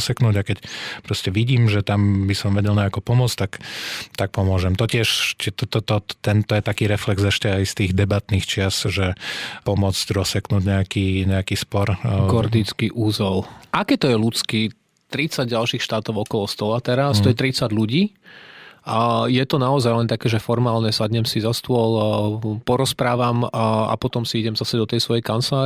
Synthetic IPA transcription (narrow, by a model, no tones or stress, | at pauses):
sɛknuːɟakɛcpɾɔscɛʋiɟiːmʒɛt̪ambisɔmʋɛɟɛlɲɛakupɔmʊɔt͡st̪akt̪ak̚pɔmʊɔʒɛmt̪ɔcɪɛʃcɛt̪t̪ɔt̪ɔt̪ɛnt̪ɔjɛt̪akiːɾɛflɛɡzɛʃcɛajst̪iːɣd̪ɛbat̪niːxt͡ʃɪasʒɛpɔmʊɔt͡scɾɔsɛknuːɟɲɛakiːɲɛakiːspɔɾɡɔɾd̪it͡skiʔuzɔlʔakɛːt̪ɔjɛlut͡ski | t̪ɾit͡saɟɟalʃiːxʃt̪aːt̪ɔʊɔkɔlɔst̪ɔlat̪ɛɾast̪ɔjɛt̪ɾit͡saɟluɟiː | ajɛt̪ɔnaɔzajlɛnt̪akɛːʒɛfɔɾmaːlɲɛsadɲɛmsizast̪ʊɔlpɔɾɔspɾaːʋama̰pɔt̪ɔmsiiɟɛmzasɛd̪ɔt̪ɛjsʋɔjɛjkant͡slaː